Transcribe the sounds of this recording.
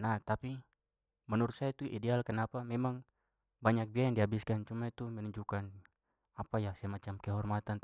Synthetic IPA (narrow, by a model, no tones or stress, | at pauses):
naht̪api | mɛnuɾut̪sajait̪uʔidɛalkənapamɛmaŋ | baɲak̚biajaŋdiɦabiskant͡ʃumait̪umɛnuɲd͡ʒukan | apajasajamat͡ʃamkɛɦɔrmat̪an